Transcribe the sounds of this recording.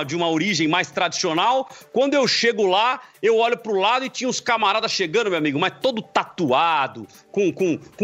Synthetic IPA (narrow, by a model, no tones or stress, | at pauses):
d͡ʒɪũmɐoɾiʒẽj̃majst̪ɾad͡ʒi̥sionawkwɐ̃nd̪ʊewʃeɡʊlaewɔʎʊpɾʊlad̪ʊɪt͡ʃĩɲɐ̃ʊskamaɾad̪ɐsʃeɡɐ̃nd̪ʊmewamiɡʊmajst̪od̪ʊt̪at̪uad̪ʊ | kõkõk